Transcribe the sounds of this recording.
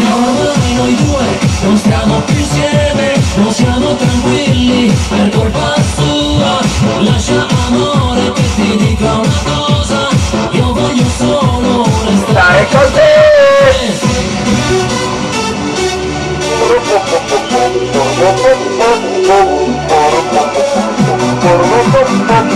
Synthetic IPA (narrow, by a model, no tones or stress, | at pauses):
noavanojd̪uːenonst̪jaːmopjusjɛːmenõnsjaːmot̪ɾaŋkwilːiperkorpast̪ualaʃamoamoɾeket̪id̪ikounakɔzaiovɔʎːosoloɾest̪aaekolt̪e